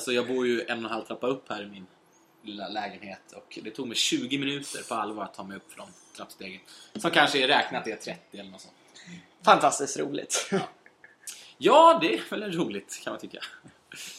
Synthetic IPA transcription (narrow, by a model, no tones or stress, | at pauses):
lsɔjɑːɡbuːɾjɵɛnːɔnɦalt̪ʰɾapːaɵpːhæːɾɪmɪn | lɪlːalɛːɡənheːt̪ʰɔkd̪ɛt̪ʰuːɡmɛjɕʉ̟ːɡɪmɪnʉ̟ːt̪ə̰ɾpʰɔalːvɑːɾat̪ʰːɑːmɛjɵpːfd̪ɔnt̪ʰɾapːst̪eːɡənsɔmkʰanʂəɛɾɛːknat̪̚ɛt̪ʰɾɛt̪ːɪɛlːəɳɔt̪sɔ̰nt̪ | fant̪ʰast̪ɪskt̪ɾuːlɪ̰t̪ː | jɑːd̪ɛævɛlɛɾuːlɪt̪kʰanmant̪ʏkːa̰